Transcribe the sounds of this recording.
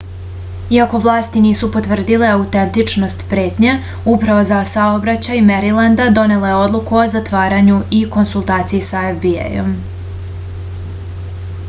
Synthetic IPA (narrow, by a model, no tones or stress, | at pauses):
iako̞ʋlˠaːst̪iniːsupo̞t̪ʋr̩d̪ileaut̪e̞nt̪it͡ʂno̞st̪pɾe̞ːt̪ɲe | upɾaʋo̞zasaobɾat͡ɕajmeɾiland̪ad̪o̞ne̞lajeo̞d̪lˠukuo̞zat̪ʋaːɾaɲuiko̞nsulˠt̪aːt̪sijisaefbiḛjo̞̰m